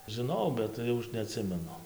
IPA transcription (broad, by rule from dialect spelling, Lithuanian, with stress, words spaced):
ʒʲɪˈnɐʊ bʲɛt ˈjɛʊ ˈɐʃ nʲɛɐˈtʲsʲɪmʲɛnʊ